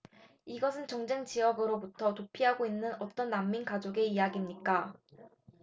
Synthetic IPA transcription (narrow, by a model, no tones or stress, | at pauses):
iɡʌsʰɯnt͡ɕʌŋd͡ʑeŋt͡ɕiʌɡɯɾobutʰʌtopʰiɦaɡoinːɯnʌt͈ʌnːamːinkad͡ʑoɡe̞ijaɡimɲik͈a